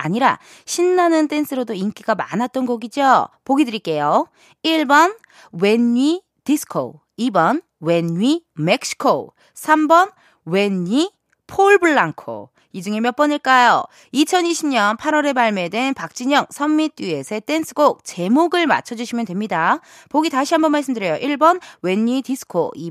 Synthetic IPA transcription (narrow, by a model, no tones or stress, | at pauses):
a̰ɲiɾa̰ | ɕʰinːanɯnt͈e̞nsʰɯɾodoink͈iɡama̰nɦat̚t͈ʌnɡoɡid͡ʑopoɡidɯɾik͈e̞jo | iɭbʌn | we̞ni | disʰɯ̥kʰo̰ | ibʌn | we̞nɥime̞k̚ɕ͈ʰi̥kʰo | sʰambʌn | we̞nːi | pʰoɭbɯɭːaŋkʰo̰ | id͡ʑɯŋemjʌp͈ʌɲiɭk͈ajo̰ | it͡ɕʰʌniɕʰimɲʌnpʰaɾwʌɾe̞maɭme̞dwenpak̚t͡ɕ͈iɲʌŋ̚sʰʌmmit͈ie̞sʰet͈ensʰɯɡok̚t͡ɕe̞moɡɯɭma̰t͡ɕʰʌd͡ʑuɕʰimjʌndwe̞mɲida | poɡitaɕʰiɦambʌnmaɭs͈ɯmdɯɾjʌjoʔiɭbʌnwe̞ɲːidisʰɯ̥kʰo̰i